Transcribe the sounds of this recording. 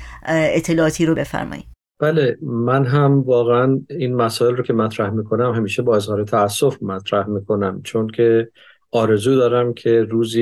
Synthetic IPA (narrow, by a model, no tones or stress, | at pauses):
et̪ʰːe̞lɒɒt̪ʰiːɾobe̞fæ̰ɾmɒ̰ːjḭd̪ | b̥ælemænɦæmvɒːɣeæniːnmæsɒːelrokʲʰe̞mæt̪ʰɾæhmiːkʰo̞næmɦæmiːʃebɒːe̞zhɒːɾet̪ʰæːsːofmæt̪ʰɾæhmiːkʰo̞næmt͡ʃʰoncʰe̞ | ɒːɾe̞zuːd̪ɒːɾæmcʰe̞ɾuːzi